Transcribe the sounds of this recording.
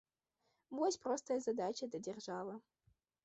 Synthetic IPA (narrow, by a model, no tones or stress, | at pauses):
mɔsʲprost̪ʰɐjɐzɐdat͡ʃʰɐdɐdʲerʒaːlɐ